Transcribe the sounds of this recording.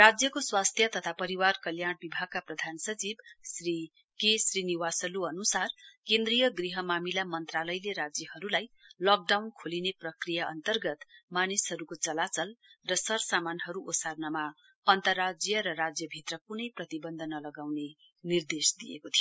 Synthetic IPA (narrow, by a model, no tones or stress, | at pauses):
rad͡zjʌkoswast̪ʰjʌt̪ʌt̪ʰapʌɾiwarkʌljaɽ̃bibʱaɡ̚kaprʌd̪ʱansʌt͡sibsri | kesriniwasʌluʌnusarkend̪rijʌɡriɦʌmamilamʌnt̪ralʌjleɾad͡zjʌhʌɾulajlʌk̚ɖawnkʰolineprʌkrijaʌnt̪ʌrɡʌt̪manishʌɾukot͡sʌlat͡sʌlrʌsʌrsamanɦʌɾuʔosarnʌma | ʌnt̪ʌrːad͡zjʌɾʌrad͡zjʌbʱit̪rʌkunʌjprʌt̪ibʌnd̪ʱʌnʌlʌɡawne | nird̪esd̪ijḛkot̪ʰijoo